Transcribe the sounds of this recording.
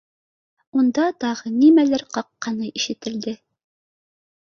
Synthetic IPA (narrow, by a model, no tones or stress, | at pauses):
und̪ɑt̪ɑʁɤnimælæɾqɑqːɑnɤʔiʃɘ̆t̪ɘ̆ld̪ɘ